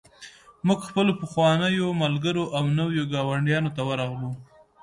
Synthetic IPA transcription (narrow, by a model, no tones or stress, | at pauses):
mʊɡxpəlopəxwɑnəjomalɡəɾoʔawnawjoɡɑwaɳɖjɑnot̪awəɾɑɣlu